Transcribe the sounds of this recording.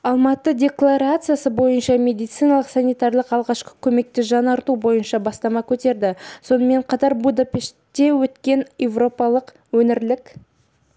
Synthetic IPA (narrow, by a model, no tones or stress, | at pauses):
ɑlˠmɑt̪ədʲe̞klˠaɾat̪sɨjasəbo̞jənʃɑmʲe̞d̪ijt̪sɨjnɑlˠəqsanijt̪ɑɾlˠəqɑlˠʁɑʃqə̥kʲʰɵme̞k̚t̪ɪʒɑnɑɾt̪ubo̞jənʃɑbɑst̪ɑmɑkʲʰɵt̪e̞ɾd̪ɪso̞nəme̞ɴqʰɑt̪ɑɾbud̪apʲe̞ʃt̪ːe̞wɵt̪kʲe̞njevro̞pɑlˠəq | wɵnɪɾlɪkʲ